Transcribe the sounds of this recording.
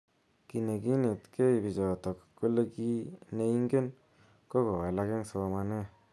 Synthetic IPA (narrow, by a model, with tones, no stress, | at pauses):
ki˨ne˨ki˦ne˨tke˦i˨bi˨t͡ʃɔ˨tɔ˨kku˦le˦˧ki˦ne˧i˦ŋɡe˦n | ko˦ko˨wa˨la˧ke˦ŋso˨˧ma˧ne˦